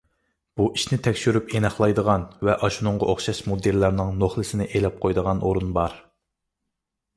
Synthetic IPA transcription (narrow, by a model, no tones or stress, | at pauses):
b̥uʔiʃnɪt̪ʰɛkʲʃyɾypenɑχlˠɑjd̪əʁɑnvɛʔɑʃunʊŋʁɑʔoχʃɑʃmod̪elːæɾnɨŋnoχlˠɨsɪnɪʔelɛp̚qʰojd̪əʁɑnʔoɾunbɑɾ